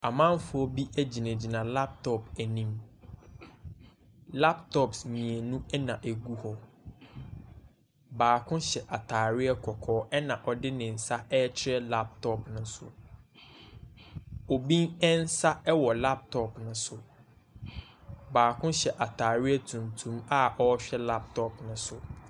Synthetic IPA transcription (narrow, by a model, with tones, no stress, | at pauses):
a˨mã˦nfʊ˨ɔ˦bi˦ʔæ˦d͡ʑi˨næ̃˨d͡ʑi˨nã˨la˦p̚tʰɔ˦pæ˨nĩ˦m | la˦ptʰɔ˦psmĩ˨ɛ˨nũ˦ɛ˦nã˨ʔæ˨ɡu˦hɔ˦ | baː˨kʰʊ̃˦ɕɛ˨ʔa˨tʰaː˨ɾɪ˦ɛ˦kʰɔ˨kʰɔː˨˦ʔɛ˦nã˨ʔɔ˨dɪ˦nɪ̃˨n̩˨sa˦ɛ˦t͡ɕʰɪ˦ɾɛ˦la˦p̚tʰɔ˦˨pnʊ̃˦sʊ̰˨ | o˨bĩ˦ŋɛ˦n̩˦sa˦ɛ˦wɔ˨la˦p̚tʰɔ˦˨pnʊ̃˦sʊ˨ | baː˨kʰʊ̃˦ɕɛ˨ʔa˨tʰaː˨ɾɪ˦ɛ˦tʰũ˨ntʰũ˦ma˦ʔɔ˦ɕᶣɛ˦la˦p̚tʰɔ˦pnʊ̃˦sʊ˨